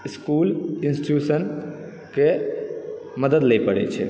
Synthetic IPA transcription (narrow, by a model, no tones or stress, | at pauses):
iskuːlinsʈjusən | ke | məd̪əd̪lɛpəɽɛ̰t͡ʃʰɛ̰